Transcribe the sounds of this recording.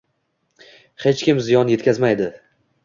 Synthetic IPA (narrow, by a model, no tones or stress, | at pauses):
het͡ʃkʲɪmzɪjɒnje̞t̪kʲazmajd̪ɪ